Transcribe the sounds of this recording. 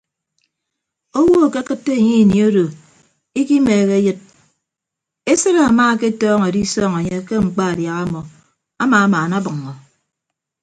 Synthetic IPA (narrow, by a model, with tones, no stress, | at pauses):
o˦wo˦a˨ke˦a˦kɨ˦tːe˦e˨ɲi˦˨ni˨o˦do˨ | i˦ki˦meː˨ɣe˦jɨ˦t̚ | e˦sɨ˦ɾa˨a˨maː˦˨ke˦tɔː˦ŋe˨di˦sɔː˦ŋe˨ɲe˦ke˦ŋ͡m̩˨k͡pa˦a˨dja˨ɣa˦mɔ˨ | a˦maː˨a˦maː˨na˦bɨ˨ŋːɔ˨